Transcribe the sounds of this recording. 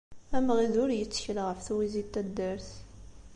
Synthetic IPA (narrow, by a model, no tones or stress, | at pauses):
æmʁiðʊɾjət͡sːə̥çəlʁəfθuwizit̪ːæd̪ːæɾθ